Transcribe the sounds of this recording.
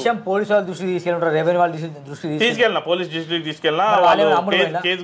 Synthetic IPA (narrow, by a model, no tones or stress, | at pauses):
ʃɐmpoːliːsʋaːlːud̪ɾuʂʈit̪iːskeluɳɾaːɾeːʋeniʋaːlud̪ɾuʂʈit̪iːsiːeskɛlinaːpoːliːsd͡ʒisʈikt̪iːskɛlnaɐʋaːlːeɐmːueɐɐnakeːd̪